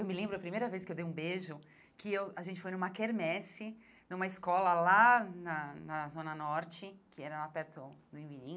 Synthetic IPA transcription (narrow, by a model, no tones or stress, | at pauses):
ewmɪlẽmbɾʊɐpɾimejɾɐveskɪewd̪ejũbeʒʊ | kɪewaʒẽt͡ʃɪ̥fojnũmɐkeɾmɛsɪ | nũmɐɪskɔlɐlanɐnɐzõnɐnɔɾt͡ʃɪkɪɛɾɐlapɛɾt̪ʊd̪ʊẽvinĩ